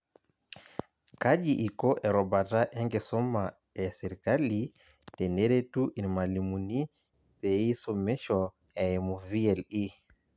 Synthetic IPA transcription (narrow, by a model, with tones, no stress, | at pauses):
ka˦ʄiʔi˨kɔ˦ʔɛ˨ɾɔ˨ba˨ta˦ʔɛ˦ŋɡɛ˨sɔ˦ma | ɛ˨sɛ˨ɾika˦li | tɛ˨nɛ˦ɾɛ˦tu˦ʔi˨nma˨li˨mu˨ni˦ | pɛ˨i˦sɔ˦mɛ˦ʃɔ˨ | ɛ˨ɛ˨mu˨viɛ˨li˦